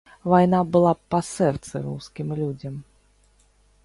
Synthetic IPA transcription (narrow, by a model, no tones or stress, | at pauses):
vajnabɨlˠapasɛrt̪sɨ̰ɾuskʲimlʲud͡zʲɐm